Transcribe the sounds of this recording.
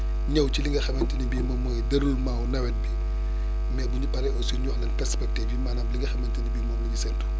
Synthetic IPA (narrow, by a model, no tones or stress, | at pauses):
ɲɐwt͡ʃiliŋɡɐxɛmɛntinibiːmɔmoːjdɐɾulmawnɐwɛt̚bi | mɛbuɲipɐɾɛɔsuɲɔxlɐnpɛɾspɛk̚tɛvimaːnaːmbliŋɡɐxɛmɛntinibiːmɔːmnɐɲisɛntu̥